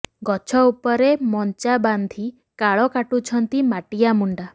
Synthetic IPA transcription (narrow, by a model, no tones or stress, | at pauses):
ɡɔt͡ʃʰɔupɔɾemɔnt͡ʃaband̪ʱi | kaɭɔkaʈut͡ʃʰɔnt̪imaʈijamuɳɖa